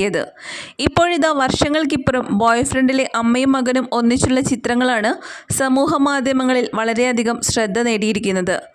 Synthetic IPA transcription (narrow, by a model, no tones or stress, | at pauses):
jɐðɨ̰ | ipːo̞ːɻiðaːʋɐrʂɐŋːɐɭkipːoɾumbo̞ːjfrɐɳɖile̞ʔɐmːɐjɐmːɐɡɐnumo̞nːit͡ɕːuɭːɐt͡ɕit̪ɾrɐŋːɐɭaːɳɨsɐmuːɦɐmaːd̪ʱjɐmɐŋːɐɭilʋɐɭɐɾe̞ɐd̪ʱiɣɐmɕrɐd̪ʱːɐne̞ːɽijiɾikʲːunːɐðɨ̰